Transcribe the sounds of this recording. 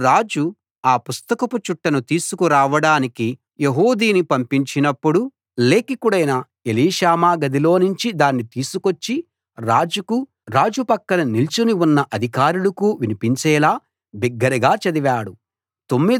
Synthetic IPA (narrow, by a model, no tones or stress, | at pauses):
ɾaːd͡ʒu | aːpust̪ɐkɐput͡ʃuʈːɐnut̪iːsukuɾaːʋɐɽaːniki | je̞ɦoːd̪iːnipɐmpiɲt͡ʃinɐpːuɽu | le̞ːkikuɽɐjnɐ | eliːʃaːmaːɡɐd̪ilo̞ːnuɲt͡ʃid̪aːnːit̪iːsukot͡ʃːi | ɾaːd͡ʒuku | ɾaːd͡ʒupɐkːɐnɐnilt͡ʃuniunːɐʔɐd̪ʱikaːɾulɐkuːʋinipiɲt͡ʃɛːlaː | biɡːɐɾɐɡaːt͡ʃɐd̪iʋaːɽu | t̪o̞mːi